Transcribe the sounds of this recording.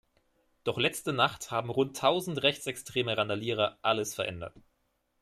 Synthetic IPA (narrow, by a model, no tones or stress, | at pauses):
d̥ɔχlɛt͡stənaχthaːbm̩ʁʊntʰːaʊzn̩tʁɛçt͡sɛkstʁ̥eːməʁandaliːʁ̞ɐʔaləsfɛɐʔɛndɐ̰t